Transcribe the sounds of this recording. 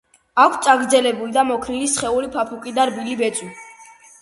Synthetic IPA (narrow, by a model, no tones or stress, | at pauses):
akʰtt̪sʼaɡɾd̪zɛlɛbulid̪amɔkʰnilisχɛuɾipʰapʰukʼid̪aɾbilibɛt̪sʼwi